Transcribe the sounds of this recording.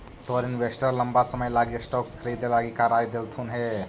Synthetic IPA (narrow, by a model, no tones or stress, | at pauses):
t̪oɾinʋesʈəɾləmbasəməjlaɡisʈɔkskʰəɾiːd̪elaːɡikaɾaːjd̪elt̪ʰunɦe